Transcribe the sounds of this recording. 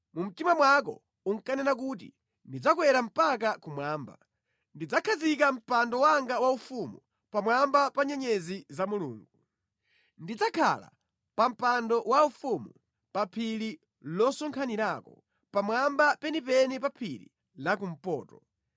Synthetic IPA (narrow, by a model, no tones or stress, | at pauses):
mum̩timamwak̬ɔ̰ | uŋkanɛnak̬uːt̬ḭ | ndid͡zakwɛɾam̩pak̬akumwaːmba̰ | ndid͡zakʰazikam̩pandɔwaŋɡawaufumṵ | pamwambapaɲɛɲɛzizamulṵːŋɡu | ndid͡zakʰa̰la̰ | pam̩pandɔwaufumu | papʰili | lɔsɔŋkʰaniɾakɔ | pamwambapɛnipɛnipapʰilḭ | lakum̩pɔːtɔ